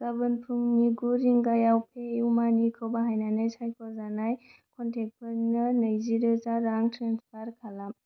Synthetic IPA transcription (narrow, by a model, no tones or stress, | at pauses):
kabɯnpʰuŋniɡuɾiŋɡajawpʰeumanikʰəwbaɦajnanajsʰajkʰɔzanajkʰɔntʰek̚pʰɐɾnɐnɐjziɾɯzaɾaŋtʰɾenspʰaɾkʰalam